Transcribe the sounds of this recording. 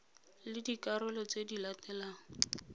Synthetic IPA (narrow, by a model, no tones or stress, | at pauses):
lɪdikaɾʊlɔt͡sedilatɛlaːŋ̩